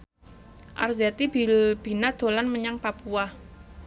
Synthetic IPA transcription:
ʔa̰rzat̪ibilb̥i̤nad̪̥o̤lanməɲaŋpapua

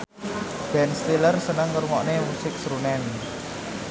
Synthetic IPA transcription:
b̥ɛnst̪ilərsənəŋːərmɔʔnemusɪk̚sɾunɛn

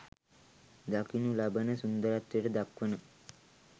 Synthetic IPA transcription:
d̪akinulabənəsund̪əɾat̪ːʋiʈəd̪akʋənə

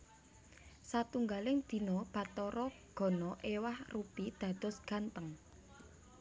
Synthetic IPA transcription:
sat̪uŋɡalɪŋd̪̥i̤nɔb̥ä̤t̪ɔɾɔ | ɡ̥ɔ̤nɔʔewahrupid̪̥a̤d̪̥ɔ̤sɡ̥a̤nt̪əŋ

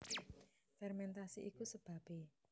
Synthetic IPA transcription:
fɛrmɛnt̪asiʔikusəb̥ä̤pe

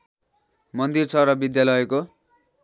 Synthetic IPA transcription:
mʌnd̪irt͡sʰʌɾʌbid̪jalʌjko

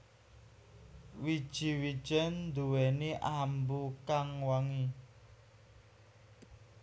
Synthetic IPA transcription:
wid̥ʒ̥i̤wid̥ʒ̥ənd̪uwɛniʔambukaŋwaŋi

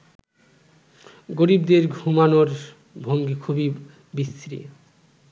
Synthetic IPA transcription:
ɡoɾibd̪eɾɡʱumanoɾ | bʱoŋɡikʰubi | bist̪ɾḭ

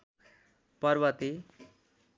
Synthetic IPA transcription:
pʌrbʌt̪i

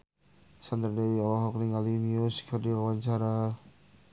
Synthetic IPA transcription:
sand̪ərdɛwiɔlɔɦɔkniŋalimiuskərdiawaɲt͡ʃaɾa

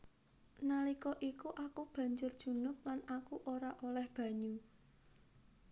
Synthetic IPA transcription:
nalikɔʔikuʔakub̥ä̤ɲd͡ʒʊrd̥ʒ̥ṳnʊk̚lanakuʔoɾaʔolɛhb̥ä̤ɲu

